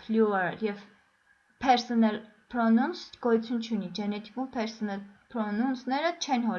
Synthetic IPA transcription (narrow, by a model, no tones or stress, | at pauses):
fljuɛɾljɛv | pʰɛɾsɔnɛl | pʰɾɔnunsɡ̥ɔjut͡sʰjunt͡ʃʰunid͡ʒɛnɛt̪i̥kumpʰɛɾsɔnɛlpʰɾɔnunsnɛɾət͡ʃʰɛnɦɔ